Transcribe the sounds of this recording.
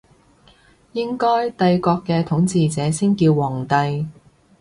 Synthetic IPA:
jɪ˥ŋkɔː˥jt̪ɐ˧jkɔː˧kːɛː˧t̪ʰʊ˨˥ŋt͡siː˨˧t͡sɛː˨˥siː˥nkiː˧wːɔː˨˩ŋt̪ɐ˧j

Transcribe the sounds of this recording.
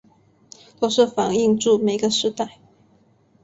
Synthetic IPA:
t̪o˥˧ʂɻ̩˥˩fɑ˨˩ŋi˥˧ŋʈ͡ʂu˥˩me˨˩ɪɡə˨ʂɻ̩˥˧t̪a˥˩ɪ

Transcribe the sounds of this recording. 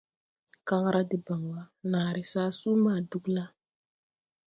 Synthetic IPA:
ka˦ŋ˦ɾʔa˦dɪ˨ba˨ŋwa˦naː˨ɾɪ˨saː˦suː˦maː˦˨du˦kla˦

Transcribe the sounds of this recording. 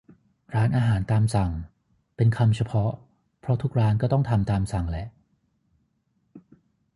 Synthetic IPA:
ɾaː˦˥nʔaː˧ɦaː˩˦nt̪aː˧msa˨˩ŋ | pe˧nkʰa˧mt͡ɕʰa˧pʰɔ˦˥ | pʰɾɔ˦˥t̪ʰu˦˥k̚ɾaː˦˥nkɔː˥˩t̪ɔ˥˩ŋt̪ʰa˧mt̪aː˧msa˨˩ŋlɛ˦˥ʔ

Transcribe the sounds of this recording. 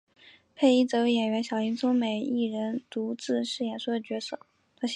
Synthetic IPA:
pʰe˥˧ɪi˥˩t͡sɤ˧˥we˧˥jɛ˨˩nɥɛ˧˥nɕjɑ˨˩ʊi˧˥ŋt͡sʰʊ˥ŋme˨˩ɪi˥˩ɻə˧˥nt̪u˧˥t͡sɹ̩˥˧ʂɻ̩˥˩jɛ˨˩nsu˥˩d̪ə˩t͡ɕɥɛ˧˥sɤ˥˩ | t̪ʰa˥

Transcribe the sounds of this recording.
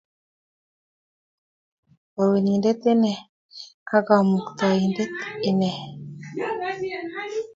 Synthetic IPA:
wa˨we˨ni˨ndɛ˦t̪ɪ˦nɛ˨ | ka˦ɡa˨mu˨kt̪a˨i˨ndɛ˦t̪ɪ˦nɛ˨

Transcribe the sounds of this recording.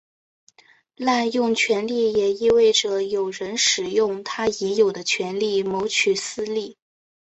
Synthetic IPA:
la˥˧njʊ˥˩ŋt͡ɕʰɥɛ˧˥nli˥˩jɛ˨˩i˥we˥˩ɪʈ͡ʂə˨˩jo˨˩ʊɻə˧˥nʂɻ̩˨˩jʊ˥˩˧ŋt̪ʰa˥ɛ˧˥jo˨˩ʊd̪ə˦t͡ɕʰɥɛ˧˥nli˥˩mo˧˥ʊt͡ɕʰy˨˩sɹ̩˥li˥˩

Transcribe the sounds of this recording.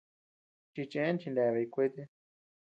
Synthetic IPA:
t͡ʃi˧t͡ʃẽ˧˦nt͡ʃi˧nda˧βe˧i˧kʷe˦t̪e˦

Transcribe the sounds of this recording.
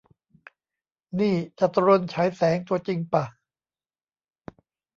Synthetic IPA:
niː˥˩t͡ɕa˨˩t̪ɾo˧nt͡ɕʰa˦˥jsɛː˩˦ŋt̪u˧ɐt͡ɕi˧ŋpa˨˩

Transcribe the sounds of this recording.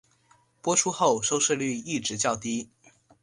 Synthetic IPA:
pwɔ˥ʈ͡ʂʰu˥xo˥˩ʊʂo˥ʊʂɻ̩˥˧ly˥˧i˥˩ʈ͡ʂɻ̩˧˥t͡ɕjɑ˥˩ʊt̪i˥

